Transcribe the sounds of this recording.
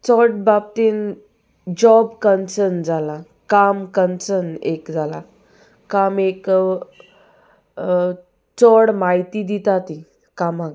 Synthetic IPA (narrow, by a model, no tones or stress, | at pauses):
t͡sɔʈ̚bab̚t̪en | d͡ʑɔbkənsəɾnd͡zala | kamkənsənekd͡zala | kamek | t͡sɔɽmaɦit̪id̪it̪at̪i | kamaɡ